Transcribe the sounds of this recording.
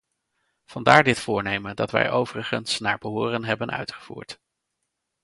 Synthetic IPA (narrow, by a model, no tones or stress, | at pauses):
v̥ɑndaːɹdɪtfʊːɹnejməndɑtʋɛ̰jʔowvərəχənsnaːɹbəɦʊːrənɦɛbənœ̰ɥtχə̥v̥ṵːɹt